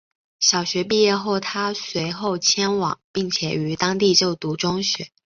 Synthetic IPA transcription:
ɕjɑ˨˩ʊɕɥɛ˧˥p̬i˥˧jɛ˥˧xo˥˩ʊt̪ʰa˥swe˧˥ɪxo˥˩ʊt͡ɕʰjɛ˥nwɑ̰˨˩˦ŋpi˥˩ŋt͡ɕʰjɛ˨˩y˧˥t̪ɑ˥ŋt̪i˥˧t͡ɕjo˥˩ʊt̪u˧˥ʈ͡ʂʊ˥ŋɕɥɛ̰˧˥

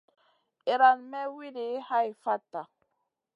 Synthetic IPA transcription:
i˨ɾa˨nmɛ˦wi˦di˨˦ha˦jfa˦tːa˨

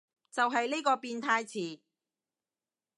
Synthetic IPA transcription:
t͡sɐ˨wɦɐ˨jli˥kɔː˧piː˧nt̪ʰaː˧jt͡sʰiː˨˩

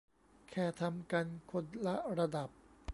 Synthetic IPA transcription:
kʰɛː˨˩t̪ʰa˧mka˧nkʰo˧˥nla˦˥ɾa˧da˨˩p̚

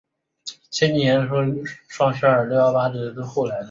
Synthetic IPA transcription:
t͡ɕʰjɛ˥njjɛ˧˥nʂʂwɑ˥˧ŋɕɛ˥ə˞˨˩t̪jɑ˥˧ʊt̪a˥ʈ͡ʂ̩˨˩i˧˥t͡sə˥˧xo˥˩la˧˥ɪl

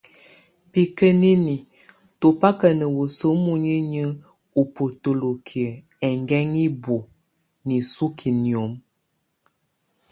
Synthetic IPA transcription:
pi˨kə˦ni˦ni˨ | to˨pa˦kə˨nə˨wo˨so˦mu˦ɲi˦ɲə˦ | u˨po˨to˨lo˨kʰi˨ə˨ | ɛ˨ŋɡɛ˦ŋi˦bo˨ | ni˨su˦kʰi˨ni˨o˨˦m

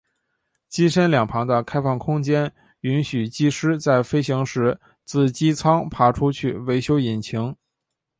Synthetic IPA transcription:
t͡ɕi˥ʂə˥nljɑ˨˩ŋpʰɑ˧˥ŋd̪ə˧kʰa˥ɪfɑ˥˩ŋkʰʊ˥ŋt͡ɕjɛ˥n | y˧˥nɕy˨˩t͡ɕi˥ʂɻ̩˥t͡sa˥˩ɪfe˥ɪɕi˧˥ŋʂɻ̩˧˥ | t͡sɹ̩˥˩t͡ɕi˥t͡sʰɑ˥ŋpʰa˧˥ʈ͡ʂʰu˥t͡ɕʰy˥˩we˧˥ɪɕjo˥ʊi˨˩nt͡ɕʰi˧˥ŋ

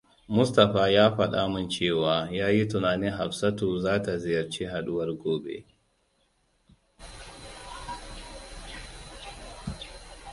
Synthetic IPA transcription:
mʊ˦stɐ˨ɸaː˨jaː˦ɸɐ˨ɗa̰˦mʊ˦nt͡ʃeː˦˨waː˨jaː˦ji˦tʊ˨naː˨nɪ˦ŋɦa˨ɸsɐ˦toː˨zaː˦ta˨zɪ˨jɐ˨rt͡ʃiː˦ɦa˨ɗʊ˦wɐ˦rɡʷoː˦bḛ˦

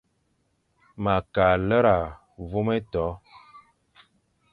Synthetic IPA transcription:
ma˨ka˨lə˦ɾa˨ | vu˦me˦tɔ˨˦

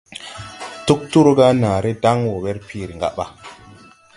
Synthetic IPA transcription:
tu˦k̚tu˦ɾo˦ɡa˦naː˨ɾe˦da˦ŋwo˨we˦ɾpʰi˨ɾi˨ŋɡa̰˦ɓa˨

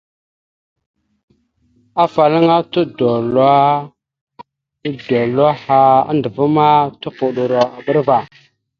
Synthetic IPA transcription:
a˦fa˨la˦ŋa˦tu˦do˨la˦ | do˨lwa˦ha˦a̰˦ndə˨vu˦ma˦tu˦pu˨ɗu˨ɾo˨a˨bə˦ɾva˨

